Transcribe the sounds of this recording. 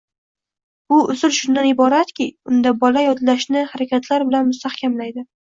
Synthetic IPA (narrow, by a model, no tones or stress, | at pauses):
ʊʊzʊlʃʊnd̪anɪbɒɾat̪kʲɪʊnd̪abɒlajɒd̪laʃnɪhaɾakʲʰat̪ʰlaɾbɪlanmʊst̪ahkʲʰamlajd̪ɪ